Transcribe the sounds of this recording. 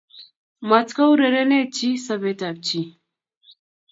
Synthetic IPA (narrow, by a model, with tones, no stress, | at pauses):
ma˨t͡ska˦wɾe˨ɾe˦ne˦t͡ʃi˦sa˨be˨ta˨b̚t͡ʃi˦